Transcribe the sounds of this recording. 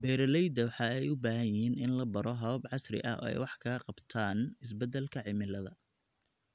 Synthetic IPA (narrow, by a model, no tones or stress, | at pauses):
bɛːɾɐlɛjd̪ɐwɑħɑːɛjʊbaːɦɐjɪhiːnɪnlɐbɐɾɔɦɐβɐbʕɑsrɪ̰ʔɐ̰ɔ̰ːɛ̰jwɑħkʰɐɣɐqɑbt̪ʰaːnɪs̬bɛd̪ːɛlkʰɐʕɪmɪlɐðɐ